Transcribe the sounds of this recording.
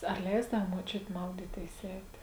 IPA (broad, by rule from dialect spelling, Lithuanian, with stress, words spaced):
ɐr ˈlʲɛɪzdɐʊ muɔˈt͡ʃʲʊtʲɪ ˈmɐʊdʲiːtʲeːɪs ˈɛɪtʲeː